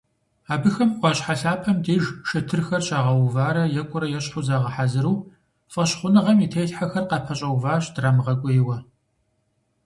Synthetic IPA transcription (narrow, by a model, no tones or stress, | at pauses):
aːbɨxɐmʁʷɑɕʼħaɬaːpʰɐmdeːʒʃɐtʰɨrxɐrɕʼaːʁɐwvaːɾɐjɛkʷʼʊɾɐjɛɕħʊzaːʁɐħazɨɾuː | fɐɕχʷʊnɨʁɐmitʰeːjɬħaxɐrqɑpʰɐɕʼɐwvaːɕdraːmʁɐkʷʼʊjɪwɐ